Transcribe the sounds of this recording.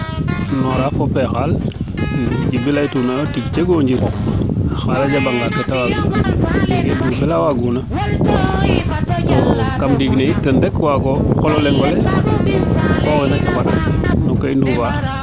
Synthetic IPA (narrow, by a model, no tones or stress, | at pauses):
nɔɾafopexal | d͡ʒibilaitunaotid͡ʒd͡ʒeɡoɲd͡ʒiɾ | xalad͡ʒabaŋɡaketawaɡueɡedufelawaɡuna | tokamdiɡneitəndekwaɡokololeŋɡole | koxinat͡ʃaŋadnokainduva